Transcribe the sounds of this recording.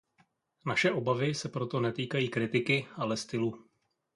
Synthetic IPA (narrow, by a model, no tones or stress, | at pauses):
naʃɛʔo̞bavɪsɛpɾo̞t̪o̞nɛt̪iːkajiːkɾɪt̪ɪkɪʔalɛst̪ɪlu